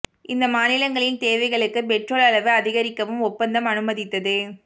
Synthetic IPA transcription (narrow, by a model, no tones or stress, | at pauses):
ɪnd̪ɐmaːnɪlɐŋɡɐɭɪnt̪eːʋɐɪɣɐɭɯkːɯpɛʈroɭɐɭɐʋɯɐðɪɣɐɾɪkːɐʋɯmʊpːɐnd̪ɐmɐnɯmɐðɪt̪ːɐðɯ